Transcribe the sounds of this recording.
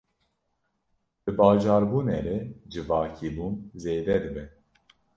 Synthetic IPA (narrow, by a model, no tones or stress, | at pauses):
b̥ɨbɑːʒɑːɾbuːneɾɛd͡ʒɨvɑːkʰibuːnzeːd̪ɛd̪ɨbɛ